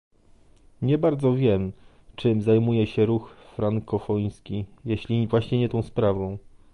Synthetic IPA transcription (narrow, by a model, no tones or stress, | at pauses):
ɲɛbaɾd̪zɔvʲjɛm | t͡ʂɘmzajmujɛɕɛɾuxfɾaŋkʰɔfɔj̃skʲijeɕlʲivwaɕɲɛɲɛt̪ɔ̃w̃spɾavɔ̃w̃